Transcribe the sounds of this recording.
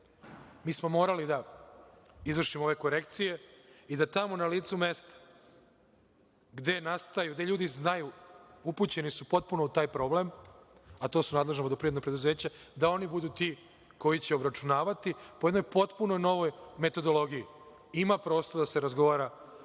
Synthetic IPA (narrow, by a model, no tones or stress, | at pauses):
miːsmo̞mo̞ːɾalid̪a | izʋr̩ʃimoo̞ʋe̞ko̞ɾe̞kt̪sije̞id̪at̪amo̞naliːt̪sume̞st̪ḁ | ɡd̪e̞nast̪ajuɡd̪eʎuːd̪iznajuuput͡ɕe̞nisupo̞t̪̚puno̞ut̪aːjpɾo̞ble̞mat̪o̞ːsunaːd̪le̞ʒnood̪opɾienopɾe̞d̪uze̞ːt͡ɕad̪ao̞nibud̪uːt̪i | ko̞jit͡ɕeobɾat͡ʃunaːʋat̪ipojed̪nojpo̞t̪puno̞jno̞ʋo̞jme̞t̪o̞d̪o̞lo̞ɡiji | imapɾo̞ːst̪oɾd̪aseɾazɡo̞ʋaːɾa